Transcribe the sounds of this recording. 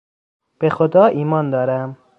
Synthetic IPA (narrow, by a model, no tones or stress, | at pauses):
b̥exod̪ɒːʔiːmɒːnd̪ɒːɾæm